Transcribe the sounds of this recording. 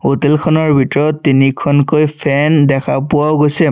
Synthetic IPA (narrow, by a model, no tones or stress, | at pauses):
hotelkʰɔnɔɹbʱitɔɹɔtːinikʰɔnkojpʰɛndɛkʰapʊaʊɡojsɛ